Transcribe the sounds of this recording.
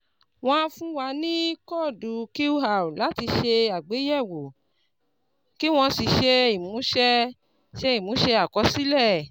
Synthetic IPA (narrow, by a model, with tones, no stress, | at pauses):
w̃ɔ̃˧ã˧fũ˦wa˧nĩ˦kɔ˦˨du˨ke˦u˦ɦa˨u˨la˨˦ti˧ʃe˧a˨ɡ͡be˨˦jɛ˦˨wo˨ | ki˦w̃ɔ̃˧si˨˧ʃe˧i˨mũ˨˦ʃɛ˦˧ | ʃe˧i˦˨mũ˨˦ʃɛ˧a˨kɔ˨˧˦si˦lɛ˦˨